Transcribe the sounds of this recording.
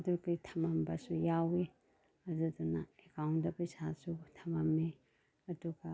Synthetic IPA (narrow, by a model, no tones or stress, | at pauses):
dukitʰɐmambasujawi | ɐdudunaekʰawndɐpɐjsasutʰɐmami | ɐduɡa